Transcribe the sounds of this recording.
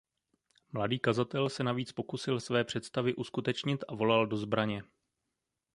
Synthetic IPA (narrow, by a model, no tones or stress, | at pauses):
mladiːkazat̪ɛlsɛnaviːt͡spo̞kusɪlsvɛːpr̝̥ɛt̪st̪avɪʔuskut̪ɛt͡ʃɲɪt̪ʔavo̞laldo̞zbɾaɲɛ